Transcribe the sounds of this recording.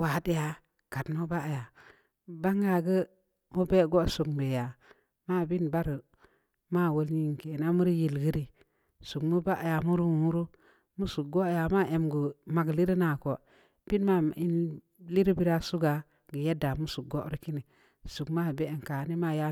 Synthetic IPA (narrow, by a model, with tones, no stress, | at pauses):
wa˨˦di˦ja˨ | ka˨tmu˦ba˦a˨ja˨ | ba˦ŋɡa˨ɡə˦ | mu˦be˦ɡo˦su˨kmbe˨ja˨ | ma˦˨bi˦nba˦ɾə˨ | ma˦˨wo˦lɲi˦ŋ˨ke˨na˦mu˦ɾi˦ji˨lɡi˦ɾi˦ | su˨kmu˦ba˦ʔa˨ja˨mu˦ɾu˦˨mu˦ɾu˦ | mu˦su˨k̚ɡo˦˨ja˨ma˦˨ʔe˨mɡə˨ma˨ɡli˦ɾi˦na˨ko˨ | bi˦nma˦i˦n | li˦ɾi˦bi˦ɾa˦su˦ɡa˨ | ɡə˨je˦da˨mu˦su˨k̚ɡo˦ɾi˦ki˦ni˨ | su˨kma˦˨be˦˨ŋ˨ka˨˦ni˦ma˦˨ja˦